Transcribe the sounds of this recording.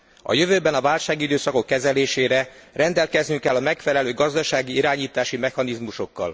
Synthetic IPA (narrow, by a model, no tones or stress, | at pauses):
ɒ̰jøvøːbɛnɒvaːlʃaːɡid̪øːsɒko̞kːɛzɛleːʃeːɾɛrɛnd̪ɛlkɛznyŋkɛlːɒmɛkfɛlɛløːɡɒzd̪ɒʃaːɡiiɾaːɲiːt̪aːʃimɛxɒnizmuʃo̞kːɒ̰l